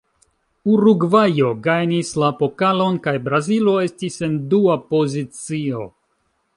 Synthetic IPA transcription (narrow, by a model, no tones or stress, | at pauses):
uɾuɡvajo̞ɡajnislapo̞kalo̞nkajbɾazilo̞e̞stise̞nduapo̞zit͡sio̞